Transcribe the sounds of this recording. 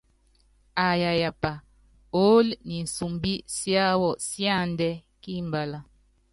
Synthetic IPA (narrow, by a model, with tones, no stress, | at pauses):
a˨ja˨ja˨pa˨ | o˦lni˨n̩˨su˨mbi˦sja˦wɔ˨sja˦˨ndɛ˦ | ki˦mba˨la˨